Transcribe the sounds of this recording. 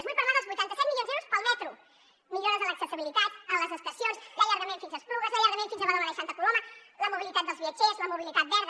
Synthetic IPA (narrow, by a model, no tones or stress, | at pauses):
ezβujpəɾnaəlˠzβujt̪ant̪əsɛt̪milʎjonzɛwɾuspəlˠmɛt̪ɾu | miʎoɾəzðələksət̪əβilit̪at̪ələzəst̪əsjonsləʎəɾɣəmẽɱfinzəspɾuɣəzləʎəɾɣəmẽnfinzəβəloaɾaəsant̪əkulomələmuβilit̪at̪̚d̪əlˠzβiət͡ʃezləmuβilit̪at̪̚bɛɾð